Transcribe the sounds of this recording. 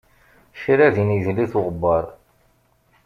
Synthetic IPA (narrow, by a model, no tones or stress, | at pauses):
ʃiɾæðinəʒliθʊʁəbːɑɾˤ